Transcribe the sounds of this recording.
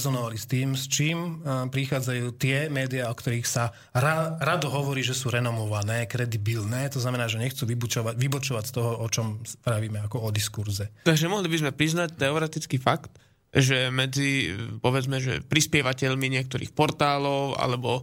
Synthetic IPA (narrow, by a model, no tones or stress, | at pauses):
zɔnɔʋalist̪iːmst͡ʃiːmpɾixaːd͡zajuːt̪ɪɛmɛːd̪iaɔkt̪ɔɾiːxsa | ɾaɾad̪ɔɦɔʋɔɾiːʒɛsuːɾɛnɔmɔʋanɛːkɾɛd̪ibilnɛːt̪ɔznamɛnaːʒɛɲɛxt͡suʋibut͡ʃɔaʋibɔt͡ʃɔʋacst̪ɔɦɔɔt͡ʃɔmspɾaʋiːmɛakɔɔd̪iskuɾzɛt̪aɡʒɛmɔɦlibizmɛpɾiznac̚t̪ɛɔɾɛt̪it͡skiːfakt̪ | ʒɛmɛd͡zipɔʋɛd͡zmɛʒɛ̰pɾispɪɛʋacɛʎmiɲɪɛk̚t̪ɔɾḭːxpɔɾt̪aːlɔʊa̰lɛbɔ